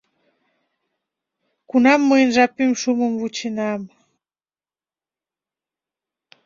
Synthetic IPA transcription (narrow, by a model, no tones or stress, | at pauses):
kunamːɨnʒapim̩ʃumumvut͡ʃinam